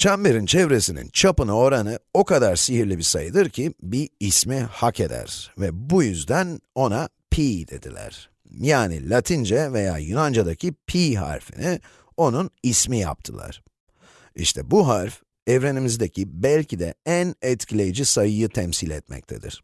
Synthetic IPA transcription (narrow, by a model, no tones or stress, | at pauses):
t͡ʃʰambeɾint͡ʃʰɛvɾe̞sinḭnt͡ʃʰapɯnao̞ɾanɯo̞kad̪aɾsiɦiɾlʲibisajɯd̪ɯɾcʰibiːsmihakʰe̞d̪æ̰ɾvɛbujyzd̪æno̞na | pʰiːd̪e̞̰d̪ilʲæ̰ɾ̥ | jaːnḭlʲat̪ʰind͡ʒɛve̞ja̰ːjynand͡ʒad̪acʰipʰiːɦa̰ɾfḭni | o̞nunismija̰p̚t̪ʰɯlˠa̰ɾ̥ | ḭʃt̪ʰɛbuɦaɾf | ɛvɾe̞nimizd̪ecʰibælʲcʰid̪ɛ̰ænɛt̪cʰilʲe̞jid͡ʒisajɯjɯt̪ʰɛmsilʲɛt̪mɛ̰c̚t̪ʰed̪ḭɾ̥